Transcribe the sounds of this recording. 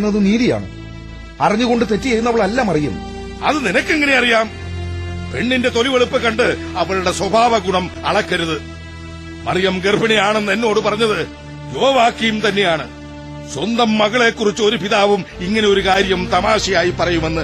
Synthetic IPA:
nːɐðɨniːðija̰ːɳɨ̰ | ɐriɲːuɣo̞ɳɖɨt̪e̞tːijɐɾunːɐʋɐɭɐlːaːmɐrijɐ̰m | ɐ̰ðɨninɐkːeŋːɐne̞ɐrijaːm | pe̞ɳːinde̞t̪o̞liʋeɭupːɨkɐɳɖɨɐʋɐɭuɽe̞swɐbʱaːʋɐɡuɳɐmɐ̰ɭɐkːɐɾuðɨ | mɐ̰rijɐmɡerbʱɐnijaːɳenːenːo̞ːɽɨpɐrɐɲːɐðɨ | doːʋaːkːijumt̪ɐnːe̞jaːɳɨ | swɐnd̪ɐmːɐɣɐɭe̞ːkːurit͡ɕːɨo̞ɾupiðaːʋumiŋːɐne̞o̞ɾukaːɾjɐmt̪ɐmaːɕijaːjipːɐrɐjume̞nːɨ

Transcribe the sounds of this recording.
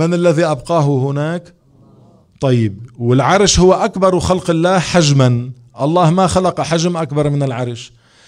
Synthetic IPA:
manalːaðiʔɑbqɑːɦʊhʊnaːk | t̪ˤɑjːɪb̚wɪlʕɑɾˤʃhʊwːaʔakbɑɾˤwxalqɪlːaːhħad͡ʒman | ʔɑlˤːɑːhmaxalɑqɑħaʒmʔakbɑɾˤmɪnɪlʕɑɾˤʃ

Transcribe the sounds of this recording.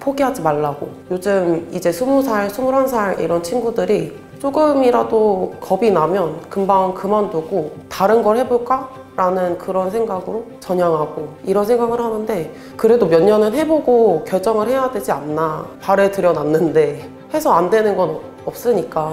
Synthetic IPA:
pʰoɡiɦad͡ʑimaɭːaɡojod͡ʑɯmid͡ʑe̞sʰumusʰaɭsʰumuɾɦansʰaɭḭɾʌnt͡ɕʰinɡudɯɾi | t͡ɕ͈oɡɯmiɾadokʌbinamjʌnkɯmbaŋnkɯmandoɡotaɾɯnɡʌɭhe̞boɭk͈a | ɾanɯnkɯɾʌnsʰe̞ŋɡaɡɯɾo | t͡ɕʌɲaŋɦaɡoiɾʌnsʰeŋɡaɡɯɭhanɯnde̞ | kɯɾe̞domjʌnːʌnɯɭɦe̞boɡokjʌɭt͡ɕ͈ʌŋɯɭhe̞jadwe̞d͡ʑianːapaɾe̞tɯɾjʌnanːɯnde̞ | he̞sʰʌandwe̞nɯnɡʌn | ʌp̚s͈ɯɲik͈a

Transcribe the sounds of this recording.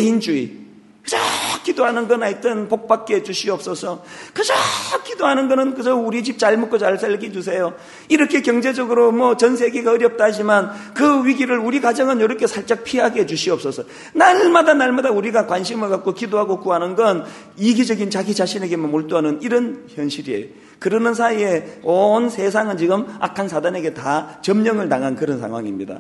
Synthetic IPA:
eind͡ʑuḭ | kɯd͡ʑak͈idoɦanɯnɡʌnait͈ʌnpok̚p͈ak͈ːet͡ɕuɕʰiʌp̚s͈ʌsʰʌkɯd͡ʑak͈ːidoɦanɯnɡʌnɯnkɯd͡ʑʌuɾit͡ɕip̚t͡ɕaɭmok͈ʰot͡ɕaɭsʰalɡius̬ʰe̞jo | iɾʌkʰe̞kjʌŋd͡ʑe̞d͡ʑʌɡɯɾomwʌt͡ɕʌnsʰe̞ɡe̞ɡaʌɾjʌp̚t͈aɦad͡ʑimankɯwɥiɡiɾɯɭuɾikad͡ʑʌŋɯnjoɾʌkʰe̞sʰaɭt͡ɕ͈ak̚pʰiɦaɡed͡ʑuɕʰiʌp̚s͈ʌsʰʌ | naɭmadanaɭmadauɾiɡakwanɕʰimɯɭkat̚k͈okidoɦaɡokuɦanɯnɡʌn | iɡid͡ʑʌɡint͡ɕaɡit͡ɕaɕʰine̞ɡe̞momoɭt͈oɦanɯniɾʌnçjʌnɕʰiɾiḛjo | kɯɾɯnɯns̬ʰaie̞onsʰe̞s̬ʰaŋɯnt͡ɕiɡɯma̰kʰansʰadane̞ɡe̞tat͡ɕʌmɲʌŋɯɭtaŋɦankɯɾʌnsʰa̰ŋɦwa̰ŋimɲida̰

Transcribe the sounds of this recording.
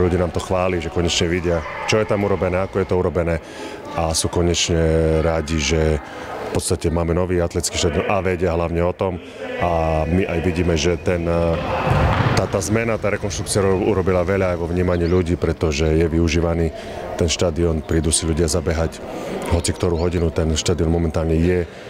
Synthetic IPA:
ʎuɟiːnaːmt̪ɔxʋaːliʒɛkɔɲɛt͡ʃɲɛʋiɟɪat͡ʃɔjɛt̪amuɾɔbɛnɛːakɔjɛt̪ɔuɾɔbɛnɛː | asuːkɔɲɛt͡ʃɲɛɾaɟiʒɛ | fpɔt̪st̪acɛmaːmɛnɔʋiːat̪lɛt͡skiːʃt̪ad̪iɔnʔaʋɛɟɪaɦlaʊɲɛɔt̪ɔm | amiʔajʋiɟiːmɛʒɛt̪ɛn | t̪aːt̪aːzmɛnat̪aːɾɛkɔnʃt̪ɾukt͡siɪauɾɔbilaʋɛʎaːjʋɔʋɲiːmaɲiːʎuɟiːpɾɛt̪ɔʒɛjɛʋiuʒiːʋaniː | t̪ɛnʃt̪ad̪iɔnpɾiːd̪usiʎuɟɪazabɛɦac | ɦɔt͡sikt̪ɔɾuːɦɔɟinut̪ɛnʃt̪ad̪iɔnmɔmɛnt̪aːlɲɛjɛ

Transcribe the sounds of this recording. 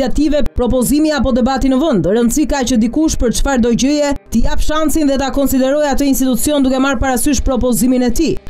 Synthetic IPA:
at̪ivɛpɾɔpɔzimiapɔd̪ɛbat̪inəvənd̪ɾənsikat͡ɕəd̪ikuʃpəɾt͡ʃfaɾd̪ɔɟəjɛt̪əjapʃansinðɛt̪akɔnsid̪ɛɾɔjat̪əins̬t̪it̪ut͡siɔnd̪ukɛmaɾpaɾasyʃpɾɔpɔziminɛt̪i

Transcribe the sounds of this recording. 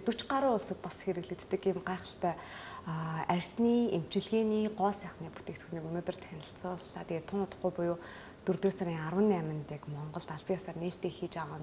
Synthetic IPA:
t̪ɵt͡ɕɢaɾʊːʊɮsə̆k̚pasxeɾɘ̆ɣɮɘ̆kt̪ːɘ̆kɪmɢaːχə̆ɬt̪æː | ærʲsniːem̥t͡ɕɪ̆ɮɣeːniːɢɔːsæːχniːpu̥t̪ʰeːk̚t̪xuniːkɵnoːt̪ɵ̆r̥t̪ʰænʲɪ̆ɬt͡sʊːɮaːt̪eːt̪ʰʊnʊt̪ə̥̆χɡujpʊjoː | t̪ɵrt̪ĕːsaɾiːŋarwə̆nːæmʲɪ̆nt̪iːkmɔɴɢɞ̆ɮt̪aɮpĭŋjɔsaːrneːɬt̪eːŋxiːt͡ɕæːʁaːn

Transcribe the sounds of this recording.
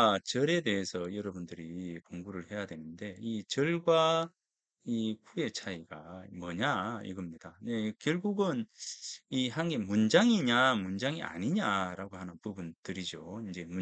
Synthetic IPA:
t͡ɕʌɾe̞de̞ɦesʰʌjʌɾʌbundɯɾikoŋɡuɾɯɭhe̞jadwe̞nɯnde̞it͡ɕʌɭɡwa | ikʰue̞t͡ɕʰaiɡamʌɲaḭɡʌmɲid̥ane̞kjʌɭɡuɡɯn | iɦanɡemund͡ʑaŋiɲamund͡ʑaŋia̰ɲiɲaɾaɡohanɯnpubuntɯɾid͡ʑoind͡ʑe̞mu

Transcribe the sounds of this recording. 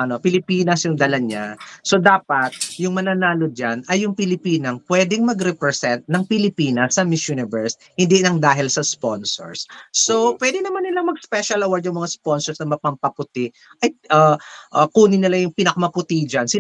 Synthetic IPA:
ʔɐnopɪlɪpiːnɐsjʊŋd̪ɐlɐɲaso̞d̪aːpɐt̪̚jʊŋmɐnanaːlod̪̚d͡ʒanɐjːʊŋpɪlɪpiːnɐŋpwɛːd̪ɛŋmɐɡɾɛpɾɛsɛnt̪̚nɐŋpɪlɪpiːnɐsːɐmɪsjunɪbɛɹs | hɪnd̪inɐŋd̪aːɦɪlsɐsponso̰ɹsːopwɛd̪ɪnɐmanːɪlaŋmɐɡ̚spɛʃɐlɐwaɹd̪jʊŋmɐŋasponsɔɹsnɐmɐpɐmpɐpʊt̪ɪ | ʔɐjʔɐʔɐkuːnɪnɪlajʊŋpɪnɐkɐmɐpʊt̪id͡ʒɐnsɪ

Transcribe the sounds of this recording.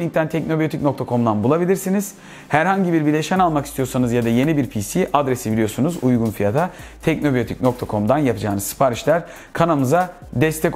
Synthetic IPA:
lʲiŋ̚t̪ʰænt̪ʰɛcno̞bijo̞t̪ʰic̚no̞k̚t̪ʰakʰo̞md̪anbulˠabilʲiɾsiniz̥ | hæɾhaɲɟibiɾbiɾlʲeʃɛænalˠmaki̥st̪ʰijosanɯzjad̪aje̞nibiɾpʰisiʔad̪ɾesibilʲijo̞sunuzujɡunfijat̪ʰat̪ʰɛc̚no̞bijo̞t̪ʰic̚no̞k̚t̪ʰakʰo̞md̪anjapʰɯd͡ʒaːnɯzsːɯ̥pʰaɾiʃlʲæɾ | kʰanamɯza | d̪ɛst̪ʰɛk

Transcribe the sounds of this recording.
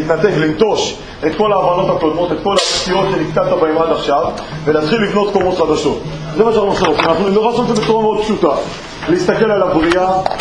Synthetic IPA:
it̪nat̪e̞klimt̪o̞ʃ | e̞t̪ko̞laːvano̞t̪hako̞d̪mo̞t̪et̪ko̞latijo̞t̪ʃenikkat̪abeimad̪aχʃav | velat̪χilːivno̞t̪komo̞t̪χad̪aʃo̞t̪ | zemaʃaaχnueχʃaʁotimanaχnunoʁasoezebet͡suʁameo̞d̪̚pʃut̪a | leist̪ake̞lalabʁia

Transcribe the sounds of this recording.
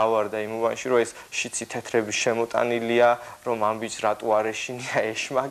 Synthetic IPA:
avaɾd̪aimuvanʃiɾɔɛs | ʃit̪sʰit̪ʰɛt̪ʰɾɛbiʃɛmɔt̪ʼa̰niliaɾɔmambit͡ʃɾat̪ʼuaɾɛʃiniaɛʃma

